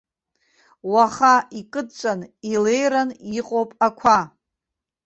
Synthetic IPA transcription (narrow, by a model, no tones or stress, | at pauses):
waχaikʼɨdt͡ʃʷʼanile̞jɾaniqʼowpʼakʷʰa